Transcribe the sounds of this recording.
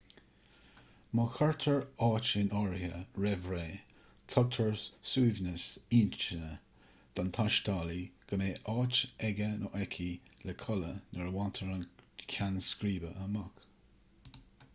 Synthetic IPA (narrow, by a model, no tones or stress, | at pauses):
məxaɹt̪ʰəɹɑːt͡ʃɪnɔɹhəɹɛvɹeː | tʰɔɡ̚t̪ʰəɹsuːvnəsiːnt͡ʃənə | d̪̥ant̪ʰaʃt̪ɑːliɡ̥əmeːʔɑːt͡ʃɛɡənʔɔʔɛkʰiləkʰɔlənəɹwant̪ʰəɹankʲʰanskɾiːbəʔəmak